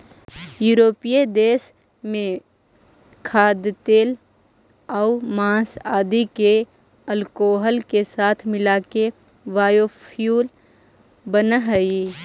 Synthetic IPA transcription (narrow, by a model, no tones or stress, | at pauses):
juːɾoːpijed̪eːs | mẽ | kʰaːd̪t̪eːl | aʊmãːsaːd̪ike | əlkoːɦəlkesaːt̪ʰmɪlaːke | ʋaːjopʰjuːl | bənaɦəi